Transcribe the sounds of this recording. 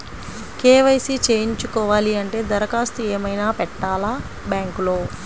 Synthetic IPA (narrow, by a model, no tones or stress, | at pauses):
keːʋɐjsit͡ʃeːjiɲt͡ʃukɔːʋaːliɐɳʈe̞ːd̪ɐɾɐkaːst̪ueːmɐjnaːpɛʈːaːlaː | bjaːŋkulo̞ː